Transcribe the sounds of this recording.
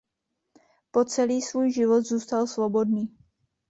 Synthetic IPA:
po̞t͡sɛliːsvuːjʒɪvo̞t̪zuːst̪alsvo̞bo̞dniː

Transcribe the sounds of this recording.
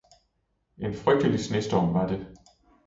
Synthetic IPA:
ʔe̝nfʁœɡ̥̚d̥əlisnesd̥ɒmʋɑ̈d̥e̝

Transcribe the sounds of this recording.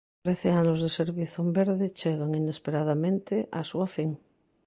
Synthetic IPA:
t̪ɾeθeanozðeseɾβiθombeɾðɪt͡ʃeɣaŋinespeɾað̞amẽnt̪ɪʔasuafiŋ

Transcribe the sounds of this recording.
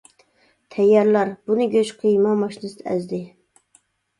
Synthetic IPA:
t̪ʰɛjːɑɾlˠɑɾb̥unɨɡʲøt͡ʃqʰɨjmɑmɑʃinɨsd̪æzd̪ɪ

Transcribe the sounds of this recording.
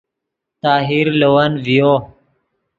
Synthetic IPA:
t̪aːɦiɾlowanvijo

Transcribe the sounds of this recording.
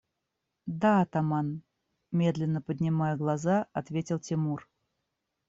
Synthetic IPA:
d̪aɐt̪aman | mʲe̞d̪lʲɪnːəpədʲnʲɪmajəɡlˠazaɐt̪vʲetʲɪlˠtʲɪmur

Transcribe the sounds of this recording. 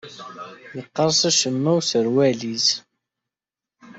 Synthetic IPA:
jəqːəɾˤsˤæʃəmːæwsəɾwæliz

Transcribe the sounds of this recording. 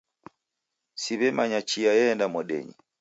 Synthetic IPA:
siβɛmaɲat͡ʃijajɛndamɔɗɛ̰ɲḭ

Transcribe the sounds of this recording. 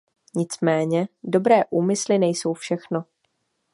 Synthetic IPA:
ɲɪt͡smɛːɲɛdo̞bɾɛːʔuːmɪslɪnɛjso̞wfʃɛxno

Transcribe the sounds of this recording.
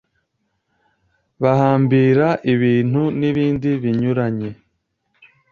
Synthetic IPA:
βahaːmbiːɾaʔiβiːn̥huniβiːndiβiɲuɾaɲe̞

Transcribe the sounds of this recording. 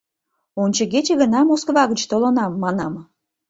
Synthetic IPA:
onʲt͡ɕəɣet͡ɕeɣənɑmoskvɑɣət͡ɕt̪olonɑmːɑnɑm

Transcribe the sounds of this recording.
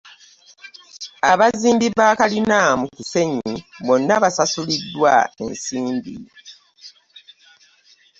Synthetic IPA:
aβaziːmbiβaːkalinaːmukuse̞ɲiβo̞nːaβasasulidːwae̞̰nsiːmbḭ

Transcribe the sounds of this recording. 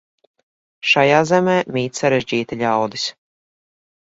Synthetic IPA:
ʃajaːzɛmeːmʲiːt̪saɾɛʒd͡ʑiːt̪iʎʲawd̪is

